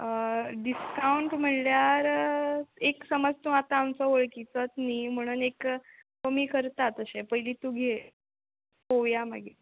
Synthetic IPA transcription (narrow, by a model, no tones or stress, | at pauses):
ɖiskauɳʈm̤əɳljaɾ | eksəməd͡zt̪ũat̪aːmt͡sɔʋoɭkit͡sət̪niːm̤əɽ̃uːnek | kəmiːkəɾt̪at̪əɕepəɦiliːt̪ũɡʱe | poʋjama̰ɡʱe